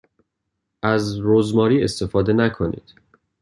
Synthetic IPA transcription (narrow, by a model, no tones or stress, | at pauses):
ʔæzɾozmɒːɾiːest̪e̞fɒːd̪e̞nækʰonḭːd̪̥